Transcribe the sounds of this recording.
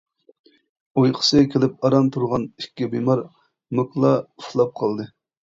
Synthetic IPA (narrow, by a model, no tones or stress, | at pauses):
ojqʰə̥sɨkʲʰelɪp̚ɑɾɑmt̪ʰuɾʁɑnikʲːɛbemɑɾ | mɨklˠɑuflˠɑp̚qʰɑlˠd̪ɨ